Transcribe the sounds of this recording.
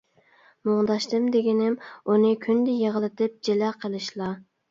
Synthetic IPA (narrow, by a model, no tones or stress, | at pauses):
mʊŋd̪ɑʃt̪ɨmd̪eɡʲɪnɪmunɨkʲʰynd̪ɪjeʁəlˠɨt̪ɨp̚d͡ʒelɛqʰəlˠɨʃlˠɑ